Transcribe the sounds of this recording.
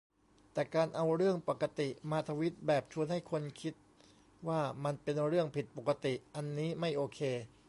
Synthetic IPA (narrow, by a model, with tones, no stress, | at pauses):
t̪ɛː˨˩kaː˧nʔa˧wɾɯ˥˩əŋpa˨˩kːa˧t̪i˨˩maː˧t̪ʰa˧wi˦˥t̪̚bɛː˨˩p̚t͡ɕʰu˧ənha˥˩jkʰo˧nkʰi˦˥t̪̚ | waː˥˩ma˧npe˧nɾɯ˥˩əŋpʰi˨˩t̪̚po˨˩kːa˧t̪i˨˩ʔa˧nːiː˦˥ma˥˩jʔoː˧kʰeː˧